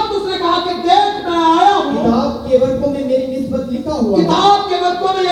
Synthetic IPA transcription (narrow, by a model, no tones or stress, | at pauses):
b̚t̪ʊsnekɐɦaked̪eːsmɐaːjakɪt̪aːbkebɐɾkomẽmeːɾinɪsbət̪jikaɦuakɪt̪aːb̚kebɐɾkomẽ